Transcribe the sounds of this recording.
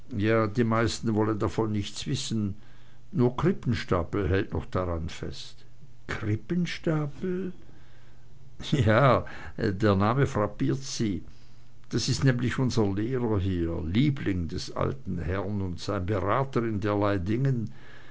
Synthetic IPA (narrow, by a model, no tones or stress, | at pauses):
jaːdiːmaɪstn̩vɔləndafɔnːɪçt͡sv̥ɪsn̩ | nuːɐkʁ̥ɪpn̩ʃtaːpl̩hɛltnɔ̰χd̥aʁanfɛ̰st | kʁɪpənʃtaːpl̩ | jaː | deːɐnaːməfʁ̥apiːɐtz̥iː | d̥asɪstnɛːmlɪçʔʊnzɐleːʁɐɦiːɐliːblɪŋdɛsʔa̰ltn̩hɛɐnʊntz̥aɪnbəʁaːtəɪndeːɐlaɪdɪŋən